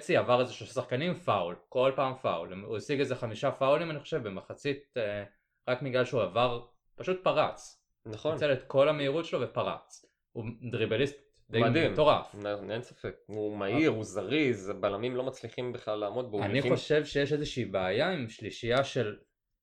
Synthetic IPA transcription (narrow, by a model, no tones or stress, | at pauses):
t͡siavaʁezeʃloʃasaχkanimfaulko̞lpaːmfa̰ulemuisiɡezeχamiʃafaulimaniχo̞ʃevbemaχat͡sit̪̚e | ʁakmiɡlalʃeuavaʁ | paʃut̪̚paʁat͡s | naχont͡selet̪ko̞lameiʁut̪ʃelo̞vepaʁa̰t͡s | ud̪ʁibelist̪ | d̪ejmad̪imto̞ʁa̰fnniensḁfek̚umaiʁuzaʁizbalamimlo̞mat͡sliχimbiχlalːaːmo̞t̪̚beaniχo̞ʃe̞vʃejeʃezeʃiːbeajaimʃliʃijaʃe̞l